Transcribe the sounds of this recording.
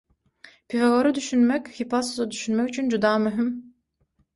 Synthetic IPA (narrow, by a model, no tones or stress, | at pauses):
pʰifaɡoɾɯd̪yʃynmɛkʲhipasuzad̪yʃynmɛkyt͡ʃʰynd͡ʒud̪ɑːmyɦym